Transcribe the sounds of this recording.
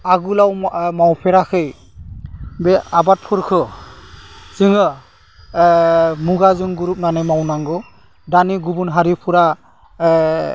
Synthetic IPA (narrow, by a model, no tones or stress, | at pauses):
aɡulawmawpʰɛɾakʰɯj | bɛabat̚pʰuɾkʰɯ | zɯŋɯ | muɡazɯŋɡuɾup̚nanɯmawnaŋɡɔ | daniɡubunɦaɾipʰuɾa